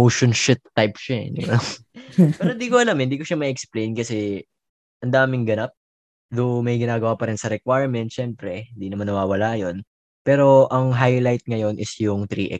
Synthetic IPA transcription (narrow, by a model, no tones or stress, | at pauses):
oʃonʃɪt̪ːajpʃa̰d̪ɪ̰ba | pɛːɾɾond̪iːkoʔɐlamɪnd̪iːko̞ʃamɐɛksplejnkɐsɛ | ʔɐnd̪aːmɪŋɡɐnap̚ | d̪ʊmɐjɡɪnaːɡɐwaːpɐɾɪnsɐɾɛkwajɹmɛnt̪̚ʃɛmpɾɛhɪnd̪inɐmanːɐwaːwɐlajo̞n | pɛːɾo̞ʔɐŋɦajlajt̪̚ŋɐjo̞nʔɪsjʊŋt̪ɾḭːʔɛ̰